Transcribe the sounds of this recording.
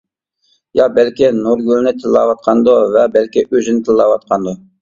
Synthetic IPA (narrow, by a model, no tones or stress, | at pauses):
jɑbɛlkʲinuɾɡʲylˠnɪt̪ʰɪlːɑ̰wɑt̪̚qʰɑnd̪ʊvɛbælkʲɪʔøzɪnɪt̪ʰɪlːɑwɑt̪̚qʰɑnd̪ʊ